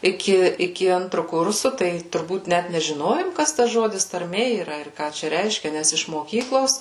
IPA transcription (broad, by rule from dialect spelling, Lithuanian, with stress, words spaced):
ɪˈkʲɪ ɪˈkʲɪ ˈɐntrʊ ˈkʊrsʊ tɐɪ tʊrˈbuːt ˈnʲæt nʲɛʒʲɪˈnoːjoːm ˈkɐs tɐs ˈʒoːdʲɪs tɐrʲˈmʲeː iːˈrɐ ɪr ˈkɑː t͡ʃʲɛ ˈrʲɛɪʃʲkʲɛ ˈnʲæs ɪʃ moːˈkʲiːklˠoːs